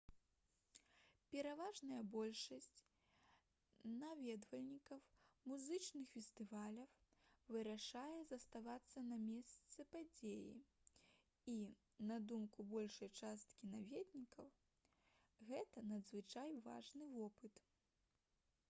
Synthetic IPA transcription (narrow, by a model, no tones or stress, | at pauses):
pʲɛɾavaʐnɐjɐbɔlʲʂɐsʲt͡sʲ | navʲɛd̪vɐlʲnʲikɐwmuzɨt͡ʂnɨxfʲɛst̪ɨvalʲɐwvɨɾaʂajɛzɐst̪avat̪sːɐnɐmʲɛst̪sɨpad͡zʲejḭ | i | nad̪umkubɔlʲʂɐjt͡ʂast̪kʲinavʲɛd̪ʲnʲikɐw | ɣɛt̪ɐnɐd̪zvɨt͡ʂajva̰ʐnɨvɔpɨt̪